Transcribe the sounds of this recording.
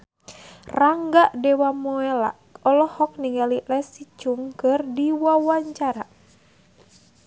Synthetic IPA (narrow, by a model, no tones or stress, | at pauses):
raŋɡaʔdɛwamɔɛla̰ʔɔlɔhɔk̚niŋalilɛsit͡ʃuŋkɨrdiwawaɲt͡ʃaɾa